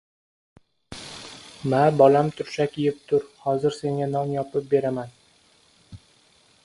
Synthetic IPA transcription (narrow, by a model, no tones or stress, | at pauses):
mabɒlamt̪ʰʊɾʃakʲʰɪjɪp̚t̪ʰʊɾhɒzɪɾse̞ŋʲanɒnjɒpʰɪp̚be̞ɾaman